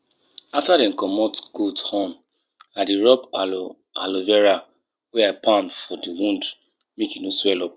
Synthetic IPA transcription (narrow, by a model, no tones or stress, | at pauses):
aftadɛ̃nkɔmɔtɡ̥uthɔ̃m | adiɹɔpa | a̰lovɛɹa | wɛapãndfɔdiwũnd | mekinoswɛlɔp̚